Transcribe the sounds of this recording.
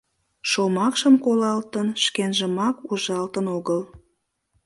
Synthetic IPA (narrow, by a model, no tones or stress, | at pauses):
ʃomɑkʃəmkolɑlt̪ənʃkenʒəmɑkuʒɑlt̪ənoɣəl